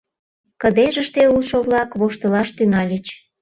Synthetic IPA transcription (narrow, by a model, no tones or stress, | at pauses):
kə̆d̪eʒəʃt̪euʃoβlɑkβoʃt̪ə̆lɑʃt̪ynɑlʲit͡ɕ